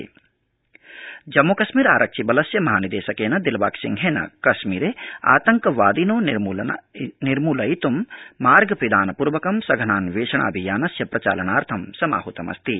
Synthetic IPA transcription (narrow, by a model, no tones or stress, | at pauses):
d͡ʒɐmːokɐʃmiːɾaːɾʔɐkʃibɐlɐsjɐmɐɦaːnid̪eːʃɐkeːnɐd̪ilʋa̰ːksḭŋɡʱeːnɐ̰kɐʃmiːɾea̰ːt̪ɐŋkɐʋaːd̪inoːn | niɾmuːlɐjit̪umːaːɾɡɐpɾid̪aːnɐpuɾʋɐkɐmsɐɡʱɐnaːnʋeːʂɐɳa̰ːbʱijaːnɐsjɐpɾɐt͡ʃa̰ːlɐnaːɾt̪ʰɐmsɐma̰ːɦut̪ɐmɐ̰st̪i